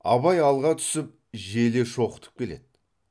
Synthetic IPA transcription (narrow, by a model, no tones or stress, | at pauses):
ɑ̰βɑjɑlˠʁɑt̪ʰʏ̥sɪp̚ʒe̞le̞ʃo̞qə̥t̪ə̥p̚kʲʰe̞le̞̰d̪̥̚